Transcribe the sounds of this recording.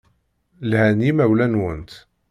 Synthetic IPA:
lhænjimæwlænwənt̪

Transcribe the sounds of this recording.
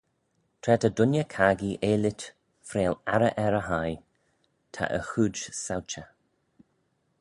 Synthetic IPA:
t̪ʰɾɛtədʊnjəkʰaːɡiʔeːlɪt̪ | fɾeːlaɾəʔɛɾəɦaj | t̪ʰa̰ʔə̰xuːd͡ʒsawt͡ʃə

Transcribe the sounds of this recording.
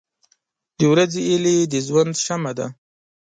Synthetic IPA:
d̪əwɾazeiled̪əzwand̪ʃamad̪a̰

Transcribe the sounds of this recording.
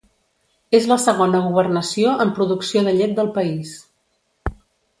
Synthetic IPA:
ezləsəɣ̞onəɣ̞uβ̞ərnəsioʔəmpɾuðuksioðəʎet̪̚d̪əlˠpəis

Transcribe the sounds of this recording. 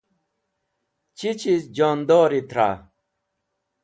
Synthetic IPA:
t͡ɕit͡ɕisd͡ʑoːnd̪oːɾit̪ɾa̰

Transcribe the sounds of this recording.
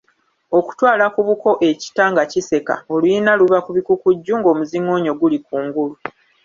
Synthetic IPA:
o̞ku̥twaːlakuβuko̞ʔe̞ci̥taŋɡacise̞ka̰olujinaluβakuβikukuɟːuŋɡo̞ːmuziŋːo̞ːɲo̞ɡulikuːŋɡulu

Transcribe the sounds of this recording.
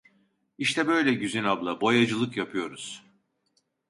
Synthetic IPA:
iʃt̪ʰɛbø̞jlʲɛɟyzynablˠabo̞jad͡ʒɯlˠɯkjapʰɯjo̞ɾuz̥

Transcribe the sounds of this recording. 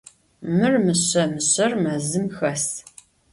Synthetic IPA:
mɨrmɨɕɐmɨɕɐrmɐzɨmxɐs

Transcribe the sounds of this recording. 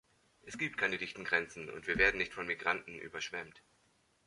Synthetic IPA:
ʔɛsɡ̥iːp̚t̚kʰaɪnədɪçtn̩ɡʁɛnt͡sn̩ʊ̰ntv̥iːɐveːɐdn̩nɪçtfɔnmiɡʁantn̩ʔy̰ːbɐʃv̥ɛmt

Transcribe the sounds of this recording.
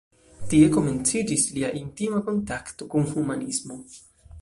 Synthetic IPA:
t̪ie̞ko̞me̞nt͡sid͡ʒisliaʔintimako̞ntakt̪o̞kunhumanismo̞

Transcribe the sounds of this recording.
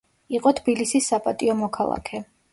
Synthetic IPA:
iqʼɔt̪ʰb̥ilisisːapʼat̪ʼiɔmɔkʰalˠa̰kʰɛ

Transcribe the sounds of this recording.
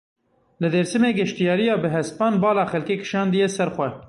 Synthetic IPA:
lɨd̪eːɾsɨmeːɡɛʃt̪ijɑːɾijɑːbɨɦɛspɑːnbɑːlɑːxɛlkeːkɨ̥ʃɑːnd̪ijɛsɛɾxʷɛ

